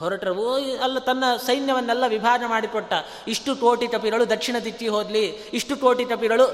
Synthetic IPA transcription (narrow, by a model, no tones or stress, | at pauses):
ɦɔɾɐʈɐɾɐʋuɐlːɐt̪ɐnːɐsɐjnjɐʋɐnːɛlːɐʋibʱaːɾnɐmaːɽikɔʈːɐ | iʂʈuʈoːʈiʈɐp̬iɡɐɭud̪ɐkʂiɳɐd̪iʈ̪ːiɦoːd̪liiʂʈuʈoːʈiʈɐp̬iɡɐɭu